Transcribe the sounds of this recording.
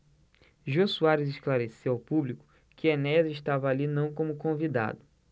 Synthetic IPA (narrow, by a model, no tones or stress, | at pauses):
ʒosuaɾɪzɪʃklaɾesewawpublikʊ̥ | kɪenɛzɪʃt̪avɐalinɐ̃w̃kõmʊkõvid̪a̰d̪ʊ